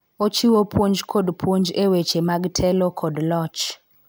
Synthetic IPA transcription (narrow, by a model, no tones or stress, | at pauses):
ot͡ʃiwopʰwoɲd͡ʒkʰɔdpʰwoɲd͡ʒewet͡ʃemaɡtʰɛlɔkʰɔdlɔt͡ʃ